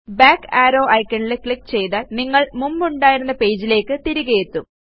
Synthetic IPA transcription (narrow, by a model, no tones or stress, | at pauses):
baːkaːɾo̞ːʔɐjkʲːɐɳɖilekɭikːt͡ɕe̞jðaːlniŋːɐɭmumbuɳɖaːjiɾunːɐpe̞ːd͡ʑile̞ːkːɨt̪iɾiɣɐjet̪ːu